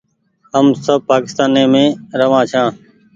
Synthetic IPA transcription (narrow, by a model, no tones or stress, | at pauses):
ɦəmsəb̚paːkɪ̥st̪aːnẽːmẽːɾəʋãːt͡ʃʰãː